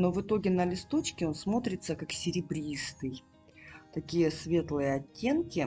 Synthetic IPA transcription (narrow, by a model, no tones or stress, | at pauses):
no̞vɨt̪o̞ɡʲɪnəlʲɪst̪o̞t͡ɕkʲɪo̞nsmo̞t̪ɾʲɪt̪səkaksʲɪɾʲɪbɾʲist̪ɨj | t̪ɐkʲijəsvʲe̞t̪lˠɨjəɐtʲːe̞nkʲɪ